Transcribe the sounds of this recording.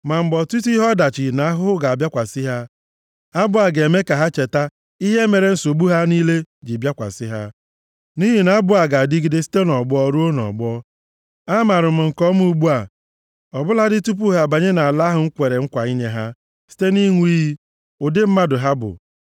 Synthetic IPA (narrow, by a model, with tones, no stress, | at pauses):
ma˨m̩˨ɡ͡bɔ˨ti˦t̬i˦ɦɔ˦da˨t͡ʃi˨na˨a˦ɦʊ˦ɦʊ˦ɡa˨bja˦kʷa˨sɪ˦ɦa˦ | a˦bʊ˦a˨ɡe˨me˦ka˨ɦa˦t͡ʃe˨ta˦ | i˦ɦe˦me˨ɾe˨n̩˨so˨bu˦ɦa˦ni˦le˦d͡ʒɪ˨bja˦kʷa̰˨sɪ˦ɦa̰˦ | ni˦ɦi˦na˦bʊ˦a˨ɡa˨di˦ɡi˦de˦si̥˦te˦nɔ˨ɡ͡bɔ˦ɾu˦o˦nɔ̰˨ɡ͡bɔ˦ | a˦ma˨ɾʊ˨m̩˨ŋ̩˨kɔ˦m˦u˦ɡ͡bu˦a˨ | ɔ˨bʊ˦la˦dɪ˦tu˦p̬u˦ɦa˨ba˨ɲe˦na˨a˨la˦ɦʊ˨ŋ̩˦kʷe˨ɾe˨ŋ̩˦kʷa˨i˦ɲe˦ɦa˦ | si̥˦te˦ni˦ŋʷu˦i˦ɦi˦ | ʊ˨dɪ˦m̩˦ma˦dʊ˨ɦa˦bʊ̰˨